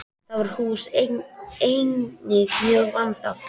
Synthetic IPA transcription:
θavaɾ̥huːseejnɪɣmjœːɣvant̪a

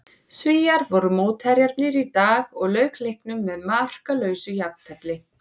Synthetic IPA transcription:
sviːjaɾvɔɾʏmoːwt̪haɾjaɾt̪nɪɾit̪aːɣɔɣlœːɥklejhknʏmːɛðmar̥kalœːɥsʏjap̚n̥t̪ʰɛplɪ

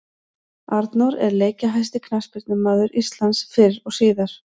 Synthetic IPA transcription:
aɾt̪naɾɛ̰ɾleːjcaɦajst̪ɪkʰnaspɪɾt̪nʏmaːðʏɾist̪lansfɪɾɾɔɣsiːðaɾ̥

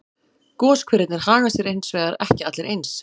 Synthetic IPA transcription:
kɔːskʰvɪɾɪt̪nɪɾ̥haːɣasjɛɾejnsvɛːɣðaɾɛhcɪat̪lɛɾʔejns

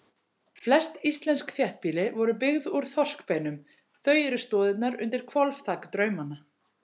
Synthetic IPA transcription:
flɛst̪ist̪lɛnskθjɛht̪̚piːlɪvɔɾʏpɪɣðuɾ̥θɔ̥skpejnʏm | θœɥjɛɾʏst̪ɔːðɪt̪naɾʏ̰nt̪ɪɾ̥kʰvɔlvt̪ʰaːkt̪ɾœɥmana

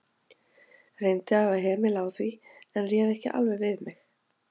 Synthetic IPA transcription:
rejnt̪ɪavaɦɛːmɪlaːwθviɛnrjɛːðɛhcɪ̰ʔa̰lvɛjvɪðmɪx

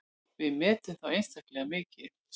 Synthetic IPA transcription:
vɪðmɛːt̪ʏmθawejnst̪aklɛɣamɪːcɪ

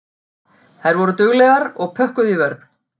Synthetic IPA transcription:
θajɾvɔɾʏt̪ʏɣlɛɣaɾɔɣpʰœhkʏðivɛɾt̪n̥

